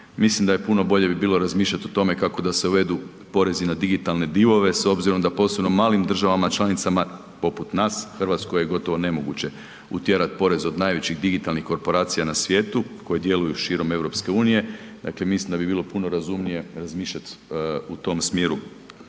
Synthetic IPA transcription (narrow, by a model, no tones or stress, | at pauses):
mislimd̪ajepuno̞bo̞ʎe̞bibiːlo̞ɾazmiːʃʎat̪ot̪o̞me̞kako̞d̪aseuʋe̞d̪u | po̞ɾe̞zinad̪iɡit̪alˠne̞d̪iʋo̞ʋe̞so̞bziɾo̞md̪apo̞ːsebnomaːlimd̪r̩ʒaʋamat͡ʃlanit̪sama | po̞put̪naːsxrʋat̪sko̞jeɡo̞t̪o̞ʋo̞ne̞mo̞ɡut͡ɕe̞ | ṵt̪je̞ɾat̪po̞ɾe̞zo̞d̪naːjʋe̞t͡ɕiɣd̪iɡit̪alˠnixko̞ɾpo̞ɾaːt̪sijanasʋje̞ːt̪uko̞jed̪je̞lujuʃiːɾo̞me̞ʋɾo̞pske̞uːnije̞d̪a̰kle̞mislimd̪abibiːlˠo̞puno̞ɾazumnije̞ɾazmiːʃʎat̪ut̪o̞msmjeːɾu